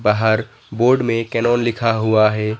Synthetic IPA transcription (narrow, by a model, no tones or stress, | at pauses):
baːɦəɾ | boːɾɖmẽkɛnɔːnlɪkʰaɦuaɦɛː